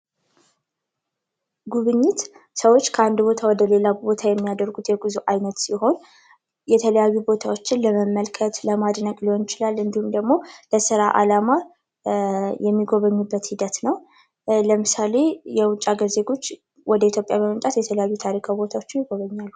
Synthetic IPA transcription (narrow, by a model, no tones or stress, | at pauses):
ɡuβɨɲːɪt̪ | səwo̞t͡ʃːkʰəand̪bo̞t̪ʰawɔd̪əle̞labo̞t̪ʰajɛmːijad̪əɾɡut̪jɛɡuzuʔajnət̪siɦo̞n | jɛt̪ʰələjajːubo̞t̪ʰawo̞t͡ʃːɪnləməmːəlkʰət̪ləmad̪nəkʼliwonɪt͡ʃɪlalːɨnd̪ihumd̪əɡmo̞ləsɨɾaʔa̰lama | jɛmːiɡo̞βəɲːubːət̪hid̪ət̪nəw | ləmɨsale̞jɛwʊt͡ʃʼaɡəɾze̞ɡo̞t͡ʃː | wɔd̪əit̪ʰjopʼjaməmənt̪ʼat̪jɛt̪ʰələjajːut̪ʰaɾikʰawbo̞t̪ʰawo̞t͡ʃːɪnjɪɡo̞βəɲːalːu